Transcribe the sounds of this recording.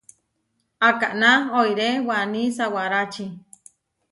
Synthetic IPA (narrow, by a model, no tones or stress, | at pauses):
akaʔnaoiɾewanisawaɾat͡ʃi